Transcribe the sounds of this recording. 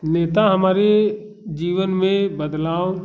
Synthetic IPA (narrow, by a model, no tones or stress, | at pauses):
neːt̪aɦəmaːɾe | d͡ʒiːʋənmẽbəd̪laːo